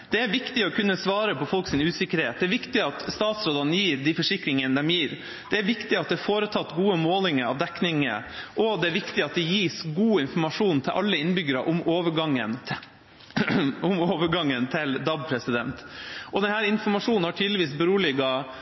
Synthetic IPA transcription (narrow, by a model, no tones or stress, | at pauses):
d̪̥ɛæɾʋɪkt̪ɪɔkʰʉnːəsʋɑːɾəpʰɔfɔlksɪnʉːsɪkːəɾheːt̪d̪ɛæɾʋɪkt̪ɪɑt̪st̪ɑːt̪sɾoːd̪ɑnəjiːɾd̪ɪfɔʂɪkɾɪŋənd̪ɛmjiːɾ | d̪ɛæɾʋɪkt̪ɪɑt̪̚d̪ɛfoːɾət̪ʰɑt̪ːɡuːəmoːlɪŋəɾɑ̰ʋd̪ɛknɪŋə̰ʔɔd̪ɛæɾʋɪkt̪ɪɑt̪̚d̪ɛjiːsɡuːɪnfɔɾmɑʂuːnn̩t̪ʰɪlʔɑ̰lːəɪnbʏɡəɾɑʔʊmoːʋəɡɑŋːən | ʊmoːʋəɾɡɑŋːənt̪ʰɪld̪ɑb̚pʰɾɛsɪd̪ɛnt̪ʔɔd̪ɛnhæːɾɪnfɔɾmɑʂuːnnhɑʈʰiːd̪ləʋiːsbəɾuːlɪɡɑ